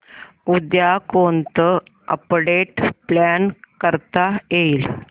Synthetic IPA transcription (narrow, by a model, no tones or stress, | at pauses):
ud̪jakont̪ə | ə̰pɽeʈplankəɾt̪ajeil